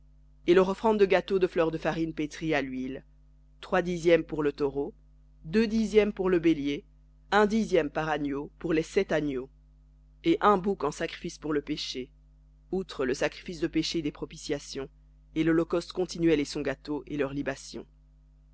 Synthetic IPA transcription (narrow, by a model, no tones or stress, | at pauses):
elœʁɔfχɑ̃d̪d̪ːəɡat̪od̪əflœʁd̪əfaʁinpet̪χialɥil | t̪χwad̪izjɛmpuʁlət̪ɔʁo | d̪ød̪izjɛmpuʁləbelje | ɛ̃d̪izjɛmpaʁanjopuʁlɛsɛt̪anjo | eʔɛ̃bukɑ̃sakχi̥fispuʁləpeʃe | ut̪χələsakχi̥fisd̪əpeʃed̪epχɔpisjasjɔ̃ | elɔlɔkɔst̪kɔ̃t̪inɥɛlesɔ̃ɡat̪oʔelœʁlibasjɔ̰̃